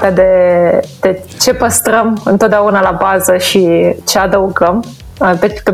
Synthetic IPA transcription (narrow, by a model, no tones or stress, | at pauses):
t̪ad̪ed̪̥e | t͡ʃepəst̪ɾəmɨnt̪od̪aunalabazəʃit͡ʃad̪əuɡəm | alt̪ɐt͡ʃi̥t̪ə